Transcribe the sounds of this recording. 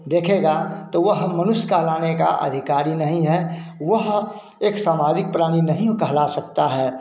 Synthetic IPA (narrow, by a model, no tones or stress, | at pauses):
d̪eːkʰeɡat̪oʋəɦmənʊʃkəɦlaːneka̰ʔə̰d̪ʱɪkaːɾinɐɦĩɦɛʋəɦ | eːksaːmaːd͡ʒɪk̚pɾaːɽ̃inɐɦĩkəɦlasɐk̚t̪aɦɛː